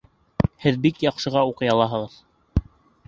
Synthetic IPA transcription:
hɘðbikjɑqʃɤ̆ʁɑuqɤ̆jɑlˠɑɦɤ̆ʁɤð

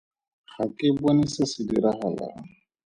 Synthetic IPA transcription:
χakʼɪbonisasɪdiɾaχala̰ːŋ̩

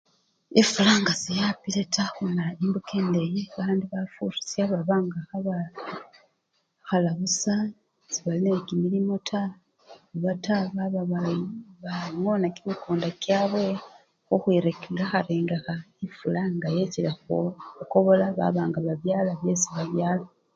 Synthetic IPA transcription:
ifulaːŋɡazijapiletʰaxonaimbukeːndejiβaːndiβafṵɾu̥siaβaβaːŋɡaxaβa | xalaβusa | ziβallekimilimo̞tʰa | uβataβaβaβaβaŋonakimikoːndakjaβwe̞ | xoxwiɾekelaxaɾeːŋɡexaifulaŋɡajecilexouko̞βo̞laβa̰βaːŋɡaβaβjaːlaβjesiβaβjaːla

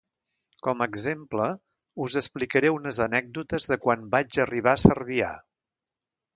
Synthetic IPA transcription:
kɔməːɡzemplə | uzəsplikəɾɛunəzənɛɡ̚d̪ut̪əzðəkwanbad͡ʒəriβ̞aəsərβia̰

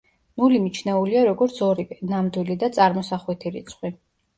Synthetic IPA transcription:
nulimit͡ʃʰnɛuliaɾɔɡɔɾt̪sʰɔɾinamd̪wilid̪at̪sʼaɾmɔsaχwit̪ʰiɾḭt̪sʰχwi

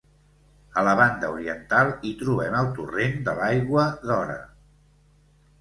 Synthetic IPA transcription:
ələβand̪əuɾiənt̪alˠit̪ɾuβ̞ɛməlˠt̪urend̪əlajɣwəðɔɾə̰

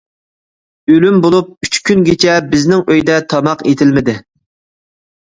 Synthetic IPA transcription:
ølymbolˠup̚yt͡ʃkʲʰynɡʲet͡ʃʰɛbɪznɪŋøjd̪ɛt̪ʰɑmɑqet̪ʰɪlmɪd̪ɪ

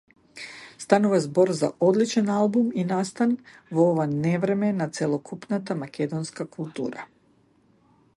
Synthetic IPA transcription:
st̪anuvazbɔɾza̰ʔɔd̪lit͡ʃɛnalˠbuminast̪anvɔɔvanɛvɾɛmɛnat̪sɛlˠɔkʰupnat̪amakʲɛd̪ɔnskakulˠt̪ṵːɾa̰

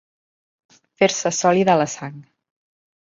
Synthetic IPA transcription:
feɾsəsɔliðələsaŋ

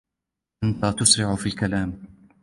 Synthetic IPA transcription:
ʔant̪at̪ʊsɾɪʕʊfiːlkalaːm

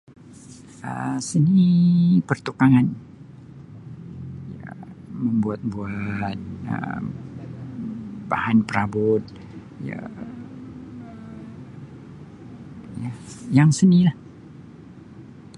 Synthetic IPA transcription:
ə̰sənipərt̪ukaŋan | ja̰məmbuat̪̚buat̪̚ə̰m | bahanpəɾabʊt̪̚ | ja̰ | jajaŋsənilah

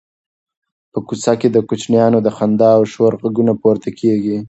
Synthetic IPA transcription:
pəkut͡saked̪əkʊt͡ʃnjɑnod̪əxand̪ɑːwʃoɾɣaɡunapoɾt̪akʰeɡi

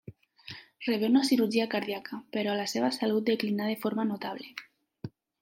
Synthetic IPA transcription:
reβeunasiɾuɾʒiakaɾðiakapeɾɔlaseβasalut̪̚d̪eklinað̞efoɾmanot̪aβ̞le

